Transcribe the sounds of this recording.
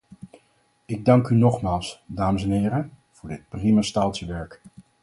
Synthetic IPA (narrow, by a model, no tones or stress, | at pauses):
ɪɡ̚dɑŋkynɔχmaːlˠsdaːməsɛnɪːɾə | v̥ʊːɹdɪt̚primastaːlˠtsəʋɛɹk